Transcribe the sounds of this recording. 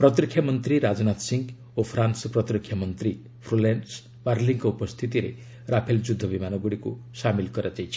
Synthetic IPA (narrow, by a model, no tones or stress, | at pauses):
pɾʌt̪rikʰːjamʌnt̪ɾiɾad͡ʒnat̪siŋɡ | opʰɾansɔpɾʌt̪ɾikʰːjamʌnt̪ɾi | pʰɾolans | baɾliŋkɔupɔst̪ʰit̪iɾḛ | ɾapʰeld͡ʒud̪ʱːʌbimanɔɡuɽikṵsamilkɔɾad͡ʒajt͡ʃʰi̥